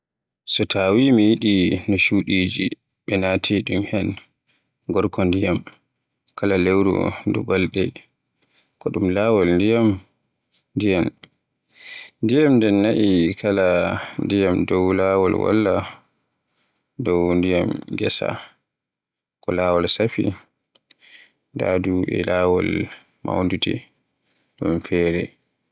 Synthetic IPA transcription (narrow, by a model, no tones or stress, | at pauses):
sɔtʰaːwimijiɗinɔʃuɗiːd͡ʒi | ɓɛnaːtʰiɗumhɛn | ɡɔɾkɔndijam | kʰalalewɾṵdṵbalɗɛ | kɔɗumlaːwɔlndijam | ndijan | ndijamndɛnːaʔikʰalandijamdɔwlaːwɔlwa̰lːa | dɔwndijamɡɛsa̰ | kɔlaːwɔlsafḭ | da̰ːduɛ̰laːwɔl | ma̰wndutɛ | ɗumfɛːɾɛ